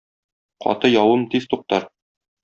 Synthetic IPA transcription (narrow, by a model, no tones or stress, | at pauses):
qɒ̰t̪ɤjɒwɤmt̪ist̪uq̚t̪ɑɾ